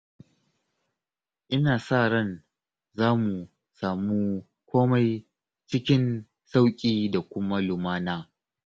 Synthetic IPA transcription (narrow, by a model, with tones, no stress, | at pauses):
ʔɪ˦naː˨saː˦˨ɽɐ˦˨n | zaː˦mu˨ | saː˨muː˦ | kʷoː˦ma˦j | t͡ʃɪ˦kʲɪ˦n | sa˦wkʲʼiː˦da˨kʷʊ˦ma˦lʊ˨maː˦naː˦